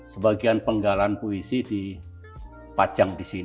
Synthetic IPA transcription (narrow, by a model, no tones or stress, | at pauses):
səbaɡianpəŋɡalanpoisidi | pat͡ʃaŋdisin